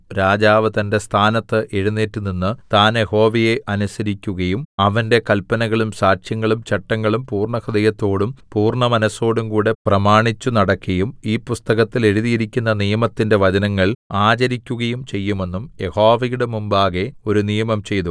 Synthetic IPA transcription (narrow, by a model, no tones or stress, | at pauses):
ɾaːd͡ʑaːʋɨt̪ɐnde̞st̪ʰaːnɐt̪ːɨʔeɻunːeːʈːuninːɨt̪aːnje̞ho̞ːʋije̞ʔɐnusɐɾikʲːuɣɐjumɐʋɐnde̞kɐlpɐnɐɣɐɭumsaːʂjɐŋːɐɭumt͡ɕɐʈːɐŋːɐɭumpuːrɳɐxɐd̪ɐjɐt̪ːo̞ːɽumpuːrɳɐmɐnɐso̞ːɽumkuːɽe̞prɐmaːɳit͡ɕːunɐɽɐkːɐjumiːpust̪ɐɣɐt̪ːile̞ɻuðijiɾikʲːunːɐnijɐmɐt̪ːinde̞ʋɐd͡ʑɐnɐŋːɐɭaːt͡ɕɐɾikʲːuɣɐjumt͡ɕe̞jːume̞nːumje̞hoːʋɐjuɽemumbaːɣe̞o̞ɾunijɐmɐmt͡ɕe̞jt̪u